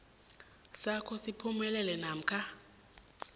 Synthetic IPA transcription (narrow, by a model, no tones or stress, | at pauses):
sakʰɔsipʰumɛlɛlɛnam̩kʰa